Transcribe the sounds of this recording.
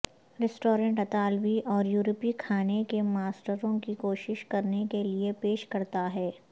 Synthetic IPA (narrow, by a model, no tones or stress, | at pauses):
ɾɛsʈoːɾə̃ɳʈɐt̪aːlʋiʔɔːɾjuːɾpikʰaːnekemaːsʈəɾõkikoːʃɪʃkɐɾnekeliepeːʃkɐɾt̪aɦɛː